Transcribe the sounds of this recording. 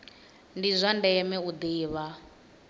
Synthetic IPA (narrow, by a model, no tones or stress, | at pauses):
ndizʷandɛɛmɛud̪iːβa